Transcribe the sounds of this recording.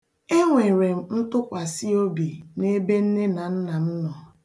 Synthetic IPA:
e˦ŋʷe˨ɾe˨m̩˦˨n̩˦tʊ˦kʷa˨si˦o˦bi˨ne˦be˦n̩˦ne˦na˨n̩˦na˨n̩˦nɔ˨

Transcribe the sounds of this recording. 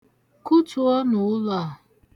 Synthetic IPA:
ku˦tu˨˦ɔ˦nʊ˨ʊ˦lɔ˨

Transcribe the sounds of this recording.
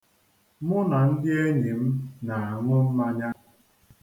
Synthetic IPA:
mʊ˦na˨n̩˦dɪ˦e˦ɲi˨m̩˦na˨a˨ŋʷʊ˦m̩˦ma˦ɲa˦

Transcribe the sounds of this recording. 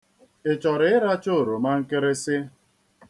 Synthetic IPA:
ɪ˨t͡ʃɔ˨ɾɪ˨ɪ˦ɾa˦t͡ʃo˦˨ɾo˨ma˦ŋ̩˦kɪ˦ɾɪ˦sɪ˦

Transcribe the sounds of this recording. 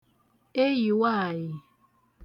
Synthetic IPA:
e˦ji˨wa˦˨ji˨

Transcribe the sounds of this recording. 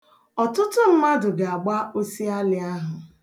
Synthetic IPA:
ɔ˨tʊ˦tʊ˦m̩˦ma˦dʊ˨ɡa˨a˨ɡ͡ba˦ʔo˦si˦a˦lɪ˨a˦ɦʊ˨

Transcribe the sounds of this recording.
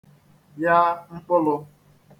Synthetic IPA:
ja˦ŋ͡m̩˦k͡pʊ˦lʊ˦

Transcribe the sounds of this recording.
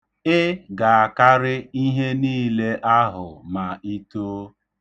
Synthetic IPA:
ɪ˦ɡa˨a˨ka˦ɾɪ˦i˦ɦe˦niː˦le˦ʔa˦ɦʊ˨ma˨i˦toː˦

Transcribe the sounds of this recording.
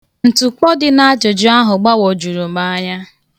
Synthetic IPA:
n̩˨tu˨k͡pɔ˦dɪ˨na˦a˦d͡ʒo˨d͡ʒʊ˦a˦ɦʊ˨ɡ͡ba˦wo˨d͡ʒu˨ɾu˨ma˦ɲa˦

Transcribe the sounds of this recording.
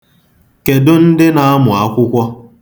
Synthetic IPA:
ke˨dʊ˦n̩˦dɪ˦na˨a˦mʊ˨a˦kʷʊ˦kʷɔ˦

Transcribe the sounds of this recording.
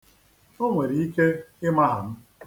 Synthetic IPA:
o˦ŋʷe˨ɾi˨i˦ke˦ɪ˦ma˦ɦa̰˨m̩˦

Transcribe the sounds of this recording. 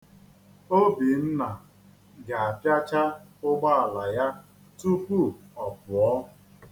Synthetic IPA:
o˦bi˨m̩˦na˨ | ɡa˨a˨pja˦t͡ʃa˦ʊ˦ɡ͡ba˦a˨la˨ja˦ | tu˦kʷu˦ɔ˨pʊ˨ɔ˦

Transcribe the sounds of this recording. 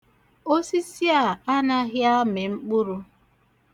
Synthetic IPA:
o˦si˦si˦a˨a˦na˦ɣɪ˦a˦me˨ŋ͡m̩˦k͡pʊ˦ɾʊ˦

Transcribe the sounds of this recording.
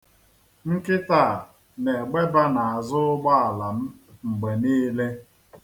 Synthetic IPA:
ŋ̩˦kɪ˦taː˦˨ | ne˨ɡ͡be˦ba˦na˨a˨zʊ˦ʊ˦ɡ͡ba˦a˨la˨m̩˦ŋ͡m̩˨ɡ͡be˨niː˦le˦

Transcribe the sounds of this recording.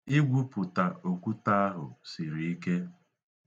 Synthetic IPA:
ɪ˦ɡʷu˦pʊ˨ta˨o˨kʷu˦ta˦a˦ɦʊ̰˨si˨ɾi˨i˦ke˦

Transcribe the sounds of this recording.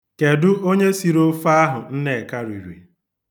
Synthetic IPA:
ke˨dʊ˦o˦ɲe˦si˨ɾo˦fa˦ɦʊ˨n̩˦ne˨e˨ka˦ɾi˨ɾwḛ˨

